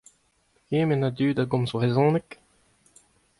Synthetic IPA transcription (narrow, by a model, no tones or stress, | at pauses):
eːmenad̪yːd̪aɡɔ̃mzbʁezɔ̃ːnɛk